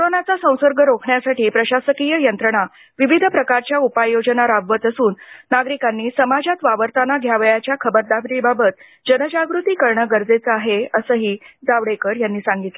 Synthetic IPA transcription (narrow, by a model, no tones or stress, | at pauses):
koɾonat͡sasə̃w̃səɾɡʱəɾokʰɳjasaʈiːpɾəɕasəkijəjənt̪ɾəɳa | ʋiʋid̪ʱəpɾəkaɾt͡ɕjaupajjod͡zənaɾaʋʋət̪əsuːnːaɡɾikanːiːsəmad͡ʑat̪ʋaʋəɾt̪anaɡʱjaʋəjat͡ɕjakʰəbəɾd̪abɾibabət̪̚ | d͡ʑənəd͡ʑaɡɾut̪iːkəɾɳəɡəɾd͡zet͡səaɦeəsəːɦiːd͡zaʋɽekəɽjanːiːsaŋɡit̪le